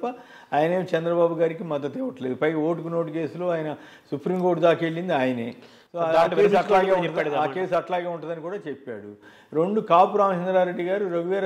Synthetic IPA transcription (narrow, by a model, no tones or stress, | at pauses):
pːɐ | aːjɐneːt͡ʃɛnd̪ɾɐbaːbuɡaːɾikimɐd̪ːɐt̪ɛːʋɐʈɐleːd̪upɐjɡɐoːʈ̬ukunoːʈuke̞ːsulo̞ːaːjɐnɐ | supɾimkoːʈd̪aːkeɭːind̪iaːjɐneː | soːaʈeːsɐlaːɡeːuɳɐd̪aːke̞ːsuɐʈlaːɡeːuɳʈɐd̪ɐnikuːɽaːt͡ʃepːa̰ːɽu | ɾoɳɖukaːpuɾaːmɐt͡ʃend̪ɾaːɾe̞ɖːiɡaːɾuɾɐɡʋɛːɾɐ